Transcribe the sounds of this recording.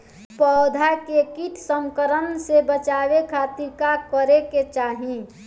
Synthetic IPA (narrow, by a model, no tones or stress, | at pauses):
pɔd̪ʱakekit̪səmkəɾənsebət͡ʃaːʋekʰat̪iɾkakəɾeket͡ʃaːɦĩ